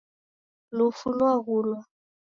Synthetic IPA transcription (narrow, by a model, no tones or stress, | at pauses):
lufunwaɣulwa